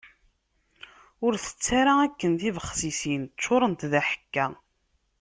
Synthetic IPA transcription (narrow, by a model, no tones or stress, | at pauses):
ʊɾθə̥t͡sːaɾaækːənθivəχːsisint͡ʃːoɾˤənt̪ðæħə̥kːæ